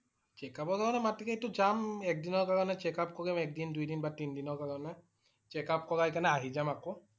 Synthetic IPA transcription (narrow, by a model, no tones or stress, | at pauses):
t͡ʃɛkabɔkaɹɔnɛmatikɛitʊzamɛk̚dinɔɹkaɹɔnɛt͡ʃɛkap̚kɔɡimɛk̚dindujdinbatindinɔɹkaɹɔnɛ | t͡ʃɛkap̚kɔɡajkanɛaɦizamakɔ